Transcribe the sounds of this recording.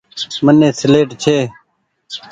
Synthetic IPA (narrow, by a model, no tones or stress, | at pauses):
mənːẽːsɪleːʈt͡ʃʰeː